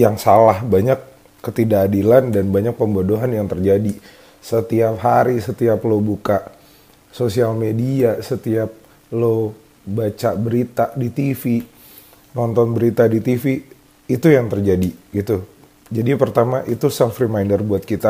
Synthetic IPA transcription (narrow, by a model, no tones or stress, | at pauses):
jaŋsalahbaɲakː | ət̪idaːdilandanbaɲak̚pəmbodoɦanjaŋt̪ərd͡ʒadi | sət̪iapɦaɾisət̪iaplobukaʔ | sosialmediasət̪iap̚ | lo | bat͡ʃabəɾit̪adit̪ifi | nɔnt̪ɔnbəɾit̪adit̪ifiː | t̪ujaŋt̪ərd͡ʒadiɡit̪u | d͡ʒadipərt̪amaʔit̪usafrimajndərbuat̪̚kit̪a